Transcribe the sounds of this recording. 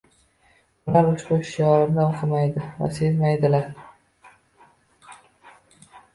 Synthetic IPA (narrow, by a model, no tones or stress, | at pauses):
ʊlaɾʊʃbʊʃjɒɾɪmd̪aoqʰɨmajd̪ɪva̰sezmajd̪ɪlaɾ